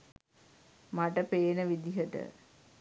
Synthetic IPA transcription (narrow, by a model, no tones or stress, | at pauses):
maʈəpeːnəʋid̪iɦəʈə̰